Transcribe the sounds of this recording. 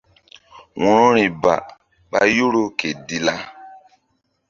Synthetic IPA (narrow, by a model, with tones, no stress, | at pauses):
wɔ̃˦ɾɔ̃˦ɾĩ˨ba̰˨ | ɓa˦jo˦ɾo˦ke˨di˦la˦